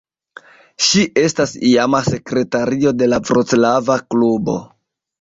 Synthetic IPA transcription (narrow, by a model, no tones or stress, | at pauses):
ʃiʔe̞stasiamase̞kɾe̞taɾio̞de̞lavɾot͡slavaklubo̞̰